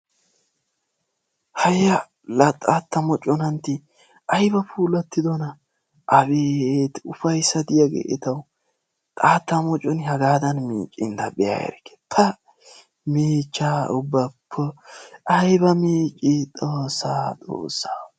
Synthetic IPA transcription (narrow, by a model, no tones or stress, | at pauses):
hɐjɐ | lɐt̪ʼːaːt̪ːɐmɔt͡ʃʼːɔnɐnt̪ːɪ | ʔɐjbɐpuːlɐt̪ːɪd̪ɔnɐ | ʔɐbiet̪ʊfɐjsɐd̪ɪjaɡḛʔɛt̪ɐw | t̪ʼaːt̪ːɐmɔt͡ʃʼːɔnɦɐɡaːd̪ɐnmḭːt͡ʃʼːɪnd̪ɐbɛja̰ːjɛ̰ɾkːe̥t̪ʰɐ | miːt͡ʃːaːʊbːɐpʰːɔʔɐjbɐmiːt͡ʃʼːit̪ʼoːsaːt̪ʼo̰ːsːa